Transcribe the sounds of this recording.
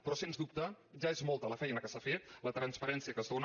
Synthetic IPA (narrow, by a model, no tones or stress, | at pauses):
pɾɔsenzðup̚t̪ə | ʒaezmɔlˠt̪ələfɛjnəkəsafet̪lət̪ɾənspəɾɛnsiəkəzðon